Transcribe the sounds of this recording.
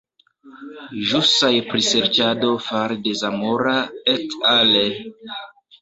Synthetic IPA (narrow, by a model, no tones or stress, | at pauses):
ʒusajpɾise̞ɾt͡ʃado̞faɾde̞zamoɾaetale